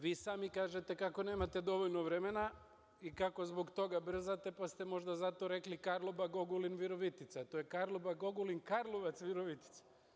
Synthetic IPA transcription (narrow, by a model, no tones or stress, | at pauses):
ʋiːsaːmikaːʒet̪e̞kako̞ne̞ːmat̪e̞d̪o̞ʋoʎnoʋɾemena | ikako̞zbo̞ɡt̪o̞ɡabr̩zat̪e̞past̪emo̞ʒd̪azat̪o̞ɾe̞klikaɾlˠobaɡo̞ɡulinʋiɾoʋit̪it̪sat̪ojekaɾlˠobaɡoɡulinkaɾlˠoʋat̪sʋiɾoʋit̪i̥t̪sḁ